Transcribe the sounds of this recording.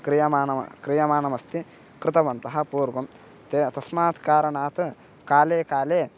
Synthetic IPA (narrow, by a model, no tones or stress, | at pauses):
kɾijɐmaːnɐmɐ̰kɾijɐmaːnɐmɐst̪i | kɾɪt̪ɐʋɐnt̪ɐɦɐ̆puːɾɡɐm | t̪et̪ɐsmaːt̪kaːɾɐɳaːt̪ɨ | kaːleːkaːleː